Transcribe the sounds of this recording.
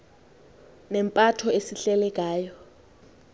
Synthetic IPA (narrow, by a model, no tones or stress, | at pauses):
nɛmpʼatʰɔesiɬɛlɛk̬ʼaːjɔ